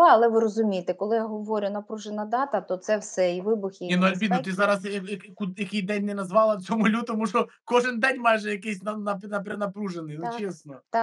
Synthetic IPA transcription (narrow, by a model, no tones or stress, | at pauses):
ɐlˠɛʋɪɾɔzʊmʲijet̪ɛkɔlˠɪjaɦɔʋɔɾʲʊnɐpɾuʒenɐd̪ɑt̪ɐt̪ɔt̪sɛwsɛiʋɪbʊxjiinuɐlʲb̪ʲinɔt̪ɪzɑɾɐsɐkkujɐkɪjd̪ɛnʲnːɛnɐzʋɑlˠɐwt͡sʲɔmʊlʲut̪ɔmuʃɔ | kɔʒɪnd̪ɛnʲmɑjʒɛjɐkɪsʲnɐnɐpnɐpɾenɐpɾuʒenɪjnt͡ʃesnɔt̪